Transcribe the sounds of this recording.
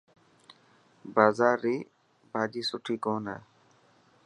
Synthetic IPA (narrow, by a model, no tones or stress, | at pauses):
baːzaːɾːiː | bʱaːd͡ʒiːsʊʈʰiːkoːnɛ̰ː